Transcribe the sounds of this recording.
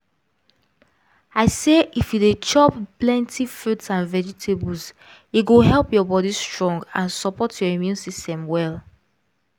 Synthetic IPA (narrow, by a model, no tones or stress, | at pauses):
aɪseʔifjudet͡ʃɔpplɛ̃ntʰifɹutsãnvɛd͡ʒitʰebəls | iɡoɦɛlˠpjɔbɔɾistɹɔ̃ŋɡã̰nsɔpɔtʰjɔimjũnsistɛ̃mwɛl